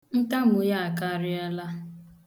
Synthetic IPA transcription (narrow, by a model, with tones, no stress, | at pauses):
n̩˦ta˦m̩˦ʊ˦ja˦a˨ka˦˨ɾɪ˦a˦la˦